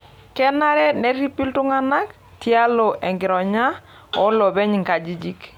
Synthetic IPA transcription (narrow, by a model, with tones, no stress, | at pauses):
kɛ˦na˦ɾɛ˦nɛ˦ɾi˦pi˦ltʊ˦ŋa˦na˦k | ti˦a˦lɔ˨ʔɛ˨ŋɡɪ˨ɾɔ˨ɲa˦ | ɔ˦lɔ˨bɛ˦ɲ˨ŋka˨d͡ʒi˦d͡ʒi˦k